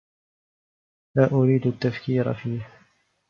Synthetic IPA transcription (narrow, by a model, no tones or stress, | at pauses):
laːʔʊɾiːd̪at̪ːafkiːɾa̰fiːh